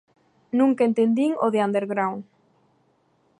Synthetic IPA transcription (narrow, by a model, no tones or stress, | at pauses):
nũŋkaent̪end̪iŋoðeand̪eɾɣɾawŋ